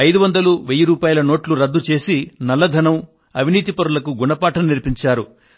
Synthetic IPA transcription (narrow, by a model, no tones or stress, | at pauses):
ɐjd̪uʋɐnd̪ɐluʋeːjuɾuːpaːjɐlɐno̞ːʈluɾɐd̪ːut͡ʃe̞ːsinɐlːɐd̪ʱɐnɐm | ɐʋʱiniːt̪̬ipɐɾulɐkuɡuɳɐpaːʈɐmniɾpiɲt͡ʃaːɾu